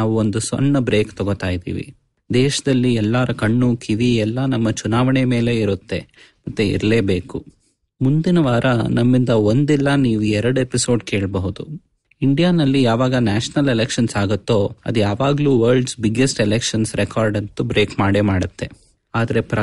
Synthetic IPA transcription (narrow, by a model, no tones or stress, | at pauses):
naːʋuond̪usɔ̰nːɐbɾeːkt̪ɔɡot̪aːjid̪ḭːʋḭ | d̪ɛːʃɐd̪ɐlːiɛlːaːɾɐkɐɳːukʰiʋiɛlːɐnɐmːɐt͡ʃunaːʋɐɳeme̞ːle̞iɾut̪ːe̞ | mɐt̪ːuḭɾle̞ːbe̞ːku | mund̪inɐʋaːɾɐnɐmːind̪ɐond̪ɛlːɐniːʋuɛɾɐɽepiso̞ːɖke̞ːɭbɐɦud̪u | iɳɖijaːnɐlːijaːʋaːɡɐnaːʃɐnɐlelekʃɐnsaːɡut̪ːo̞ːɐ̰d̪ujaːʋaːɡɐluːʋɐɾlɭɖsbiɡesʈɛlekʂɐnsɾekʰaːɾɖɐnt̪ubɾe̞ːkmaːɽemaːɽɐt̪ːe̞ | aːd̪ɐɾepɾɐ